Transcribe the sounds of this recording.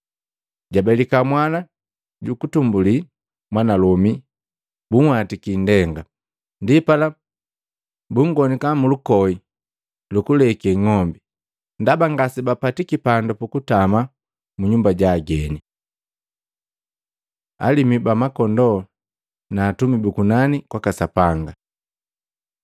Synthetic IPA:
ɟabɛlikamwana | ɟukutumbuli | mwanalɔmi | buŋhatikindɛŋɡa | ndipala | buŋɡɔnikamulukɔi | lukulɛkɛŋɔmbi | ndabaŋɡasibapatikipandɔpukutama | muɲumbaɟaːɡɛni | a̰limibamakɔndɔ | naːtumibukunanikwakasapaŋɡa

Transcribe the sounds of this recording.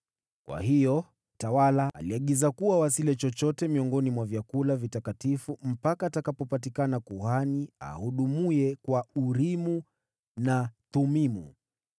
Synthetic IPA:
kwa̰hijɔ | tawalaa̰liaɠizakuwawasilɛt͡ʃɔt͡ʃɔtɛmiɔŋɡɔnimwavjakulavitakatifum̩pakaːtakapɔpat̬ikanakuhania̰huɗumuɛkwauɾimu | natumimṵ

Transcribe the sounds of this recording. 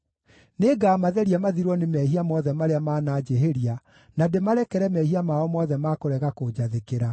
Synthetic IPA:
neɡaːmaðɛɾiamaðiɾɔnemɛɦiamɔðɛmaɾeamaːnaːd͡ʑeɦeɾia | nademaɾɛkɛɾɛmɛhiamaɔmɔðɛmakoɾɛɣakod͡ʑaðekeɾa

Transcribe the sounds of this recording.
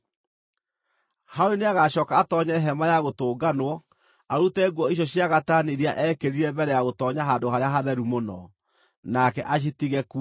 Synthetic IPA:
haoɾeneaɣaɕɔːkaːtɔɲɛɛɦɛmajaɣotoːɡanwɔ | aɾutɛɡwɔijɔɕjaɣataːneɾiaʔɛkeðiɾɛbɛɾɛjaɣotɔːɲaɦandohaɾeaɦaðɛɾumonɔ | nakɛʔaɕ̬itiɣɛk

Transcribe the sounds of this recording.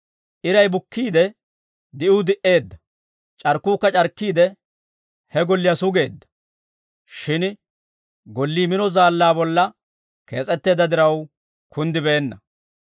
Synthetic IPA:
ʔɪɾɐjbʊkːiːd̪ɛ | d̪ɪʔʊd̪ɪʔe̞ːd̪ːɐ | t͡ʃʼɐɾkːuːkːɐt͡ʃʼɐɾkːiːd̪ɛ | hɛɡɔlːɪjɐsʊɡe̞ːd̪ːɐ̥ | ʃɪn | ɡɔlːiːmɪnɔzaːlːaːbɔlːɐ | ke̞ːt͡sʼɛt̪ːe̞ːd̪ːɐd̪ɪɾɐw | kʰʊnd̪ɪbeːnːɐ

